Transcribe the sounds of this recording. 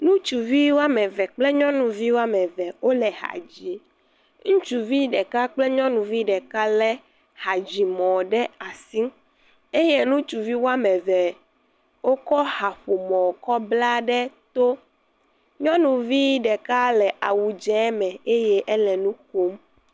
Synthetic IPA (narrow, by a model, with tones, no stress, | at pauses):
nũ˦t͡ʃu˨vi˦wo˦a˦mɛ˨vɛ˨k͡plɛ˦ɲɔ̃˦nũ˨vi˦wo˦a˦mɛ˨vɛ˨wo˦lɛ˨ha̰˨d͡ʑi˨ | ŋũ˦t͡ʃu˨vi˦ɖɛ˨ka˦k͡plɛ˦ɲɔ̃˦nũ˨vi˦ɖɛ˨ka˦lɛ˦ | ha˨d͡ʑi˨mɔ̃˨ɖɛ˦a˨si˦ | e˦jɛ˦nũ˦t͡ʃu˨vi˦wo˦a˦mɛ̃˨vɛ˨ | wo˦kɔ˦ha˨ɸo˨mɔ̃˨kɔ˦bla˦ɖɛ˦t̪o˦ | ɲɔ̃˦nũ˨vi˦ɖɛ˨ka˦lɛ˨ʔa˨wu˨d͡ʒɛ˨˦mɛ̃˨e˦jɛ˦ʔɛ˦lɛ̃˨nũ˦ko˦m